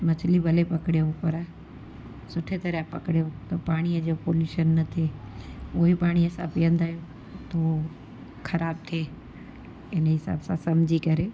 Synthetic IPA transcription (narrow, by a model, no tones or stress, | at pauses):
mɐt͡ɕʰlibʱɐlepɐkɪɽijopɐɾ | sʊʈʰet̪ɐɾəpɐkɪɽijõt̪ɐpaːɽ̃iəd͡ʑopoːljuːʃənːɐt̪ʰe | ʊɦepaːɽ̃iəsãːpijə̃nd̪aːɦijõ | t̪ɐo | xɐɾaːb̚t̪ʰeː | ɪnɦɪsa̰ːbsãsɐmd͡ʑʱikɐɾeː